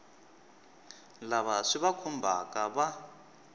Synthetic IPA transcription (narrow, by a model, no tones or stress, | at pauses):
laβaʂiβakʰumbʱa̰kʼaβa